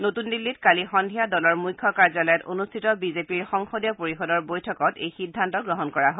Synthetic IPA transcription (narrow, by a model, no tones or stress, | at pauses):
notundilːitkalixɔndʱijadɔlɔɹmujkʰːɔkaɹzalɔjɔto̰nustʰitɔbizepiɹxɔŋxodjɔpoɹixɔdɔɹbojtʰɔkɔtejxidʱːantɔɡɹɔɦɔnkɔɹaɦo